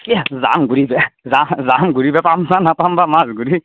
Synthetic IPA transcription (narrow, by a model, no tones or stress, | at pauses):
kiaza̰mɡuɾibɛzamzamɡuɾibɛpamzanapambamazɡuɾi